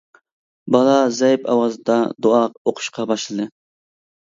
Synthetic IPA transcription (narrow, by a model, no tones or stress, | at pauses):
bɑlˠɑzɛjpɑ̰wɑzɨd̪ɑd̪oɑqoqʰʊ̥ʃqʰɑbɑʃlˠɨd̪ɨ